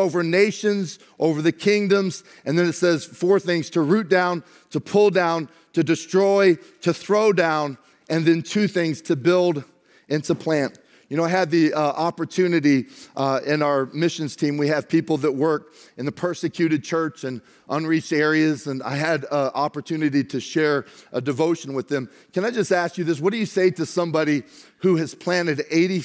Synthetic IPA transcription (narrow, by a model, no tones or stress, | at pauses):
oʊvə˞neɪʃɨ̃nz | ʔoʊvə˞ðɨkʰɪ̃ŋdə̃mz̥ | ʔɨ̃nðɨ̃nɨtsɛz̥fɔɹθɪ̃ŋz̥tʰəɹʉt̚d̥ãʊ̃n | tʰəpʰʊlˠdãʊ̃n | tʰɨdɨstɹ̥ɔɪɾɨθɹoʊdãʊ̃n | ɨ̃nðɨ̃ntʰʉθɪ̃ŋz̥tʰɨbɪlˠd | ɪ̃ntʰupʰl̥æ̃nt | jjɨnoʊaɪɨd̪̚ðiʔɑpə˞tʰʉnɨɾi | ɪ̃naʊə˞mɪʃɨ̃nz̥tʰĩmwiɨv̥pʰipl̩ˠðət̚wɜ˞k̚ɨ̃nðɨpʰɜ˞sɨkʰj̥ʉɾɨd̚t͡ʃʰɜ˞t͡ʃɨ̃n | ʔə̃nɹit͡ʃtɛɹiɨzɨ̃na̰ɪɨɾʔɑpə˞tʰʉnɨɾiɾɨʃɛɹʔədɨvoʊʃɨ̃nwəðɨ̃m | kʰɨ̃ñaɪd͡ʒʌstæskjɨðɪs̬wʌt̚d̥ɨjɨseɪɾɨsʌ̃mbɑɾi | huɨz̥pʰl̥æ̃nɨɾeɪɾi